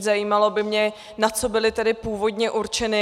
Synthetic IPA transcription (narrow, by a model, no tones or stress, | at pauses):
zajiːmalo̞bɪmɲɛ | nat͡so̞bɪlɪt̪ɛdɪpuːvo̞dɲɛʔuɾt͡ʃɛnɪ